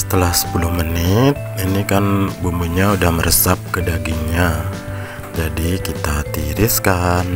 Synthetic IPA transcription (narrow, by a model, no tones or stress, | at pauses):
sə̥t̪əlahsə̥pulʊhmənɪt̪̚inikanbumuɲaudahməɾəsap̚kədaɡɪŋɲa | d͡ʒadikit̪at̪iɾɪskan